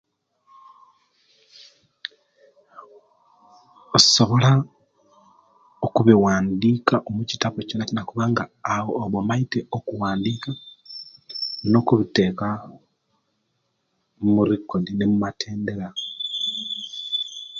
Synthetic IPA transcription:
oso̞βo̞la | okuβiwaːndikaʔomucitaβocinacinakuβaŋɡaːwoːβomaiteokuwaːndiːka | no̞kuβite̞ːka | muɾikːodinemumatʰe̞ːnde̞ɾa

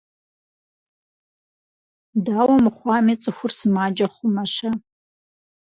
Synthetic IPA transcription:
daːwɐmɨχʷɑːmit͡sʼɨxʷʊrsɨmaːd͡ʒɐχʷʊmɐʃɐ

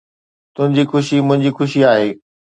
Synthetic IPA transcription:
t̪ʊ̃ɦɪ̃ɲd͡ʑixʊʃimʊ̃ɦɪ̃ɲd͡ʑixʊʃiaːɦeː

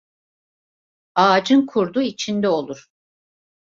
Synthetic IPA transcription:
aːd͡ʒɯnkʰuɾd̪uit͡ʃʰind̪ɛo̞lˠuɾ̥

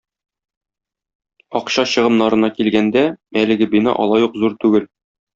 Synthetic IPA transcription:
ɒqɕɑɕɤ̆ʁɤ̆mnɑɾɤ̆nɑkilɡænd̪æælɘ̆ɡɘbinɑ̰ʔɒ̰lˠɑjuqzuɾt̪ʉɡɘl

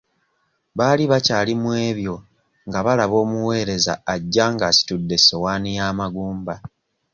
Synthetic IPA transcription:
βaːliβacaːlimwe̞ːβjo̞ | ŋɡaβalaβo̞ːmuwe̞ːɾe̞za̰ːɟːaːŋɡaːsi̥tudːe̞so̞waːnijaːmaɡuːmba

